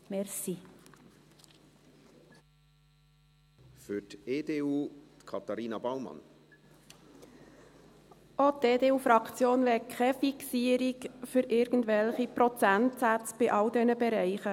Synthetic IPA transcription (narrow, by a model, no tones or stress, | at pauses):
mɛɾsi | fʏteːdeːuːt̪kʰɑt̪ɑɾiːnɑbɑlmɑ̰n | ʔoteːdeːuːfɾɑkt͡sjoːnʋɛkʰχɛfiksiːəɾikfʏɾʔɪːɾɡ̥ən̩dvɛlχipɾɔt͡sæntsæt͡sb̥ɪʔɑldɛnəbɛɾɛɪχə